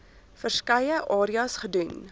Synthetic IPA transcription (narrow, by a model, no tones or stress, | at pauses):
fərskɐjəʔɑːɾiɐsχədʉn